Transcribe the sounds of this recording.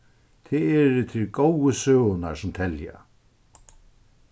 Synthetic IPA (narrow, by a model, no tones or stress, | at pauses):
t̪ʰɪɛɾɪt̪ʰɪlɡowəsøːna̰ɾsʊmt̪ʰɛlja̰